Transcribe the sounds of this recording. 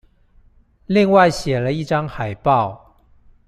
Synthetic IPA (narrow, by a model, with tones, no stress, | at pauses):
li˥˧ŋwa˥˨ɪɕjɛ˨˩lə˦i˥˩ʈ͡ʂɑ˥ŋxa˨˩ɪpɑ˥˨ʊ